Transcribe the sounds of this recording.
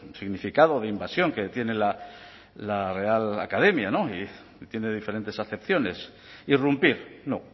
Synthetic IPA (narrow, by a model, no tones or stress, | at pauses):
siɣnifikaðo̞ðeimbasjo̞ŋke̞t̪je̞ne̞la | lare̞ala̰kað̞e̞mjano̞i | t̪je̞ne̞ð̞ife̞ɾe̞nt̪e̞saθe̞pθjo̞ne̞s | irumpiɾno